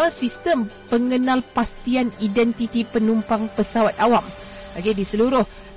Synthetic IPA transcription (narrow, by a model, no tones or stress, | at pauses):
asist̪əmpəŋənalpast̪ianidɛnt̪it̪ipənumpaŋpəsawat̪̚awam | baɡedisəluɾʊh